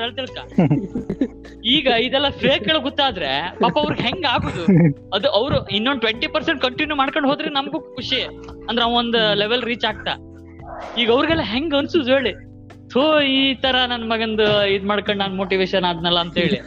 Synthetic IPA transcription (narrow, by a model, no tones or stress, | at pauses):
eɭt̪iɭk̪ːa | iːɡɐid̪ɛlːɐpʰeːkːɐɭuɡot̪ːaːd̪ɾepaːpɐɐʋɾiɡeɦeŋɡaːɡoːd̪uɐd̪uʔɐʋɾuinːonɳɖ̚ʈʋeɳʈipɐɾseɳʈ̚kɐɳʈinjumaːɽkoɳɖɦoːd̪ɾenɐmɐɡukuʂi | ɐnd̪ɾeɐʋond̪uleʋelɾiːt͡ʃaːɡ̚t̪a̰ | iːɡɐɐʋɾɡɛlːɐɦeŋɡɐnsuːd̪eːɭi | t̪ʰoiːt̪ɐɾɐnɐnːɐmɐɡɐnd̪uid̪maːɖkɐɳɖnaːnmoːʈiʋeːʃɐnaːd̪nɛlːɐːnt̪ɦeːɭi